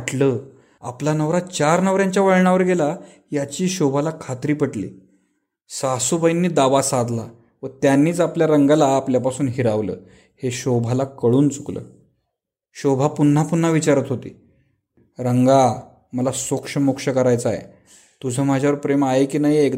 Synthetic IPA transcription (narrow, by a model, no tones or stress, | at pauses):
ʈlə | a̰planəʋɾat͡ɕaɾnəʋɾjãɲt͡ɕjaʋəɭɳaʋəɾɡela | jat͡ɕiːɕobʱalakʰat̪ɾiːpəʈlḭː | sasubəjnːiːd̪aʋasad̪la | ʋət̪janːiːt͡sapljaɾəŋɡalaːpljapasuːnɦiɾaʋlə̰ː | heɕobʱalakəɭuːnt͡suklə̰ː | ɕobʱapun̤ːapun̤ːaʋit͡ɕaɾət̪ɦot̪ḭː | ɾəŋɡa | məlasokʂəmokʂəkəɾajt͡səajḛ | t̪ud͡zʱəːm̤ad͡ʑʱjaʋəɾpɾemaekiːnaɦiek